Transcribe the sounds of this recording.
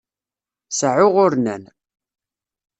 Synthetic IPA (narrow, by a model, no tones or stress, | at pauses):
səʕʊʁʊɾnæn